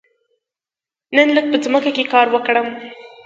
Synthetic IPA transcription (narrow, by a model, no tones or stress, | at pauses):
nənləɡ̚pəd͡zməkakekɑɾwəkɽəm